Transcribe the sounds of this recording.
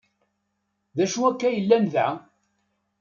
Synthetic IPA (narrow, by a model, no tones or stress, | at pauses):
ðæʃuækːæjəlːænða